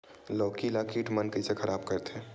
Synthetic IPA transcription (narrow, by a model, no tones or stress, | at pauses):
lɔːkilakiːʈmɐnkəsekʰɐɾʔaːbkɐɾt̪ɛː